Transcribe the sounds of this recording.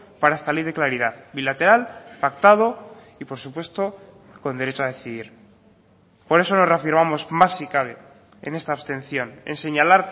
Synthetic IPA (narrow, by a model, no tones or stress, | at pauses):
paɾaest̪ale̞jðe̞klaɾiðaðbilat̪e̞ɾalpak̚t̪að̞o̞ | ipo̞ɾsupwe̞st̪o̞ | ko̞nd̪eɾet͡ʃoað̞eθiðiɾ | po̞ɾe̞so̞no̞zreafiɾmamo̞zmasːikaβ̞e̞ | ḛne̞st̪aːβst̪ẽ̞n̟θjo̞nḛnse̞ɲalaɾ